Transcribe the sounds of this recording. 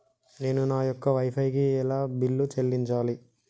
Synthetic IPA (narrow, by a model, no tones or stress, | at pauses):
ne̞ːnunaːjɔkːɐʋɐjpʰɐjkiɛlaːbilːut͡ʃelːiɲt͡ʃaːli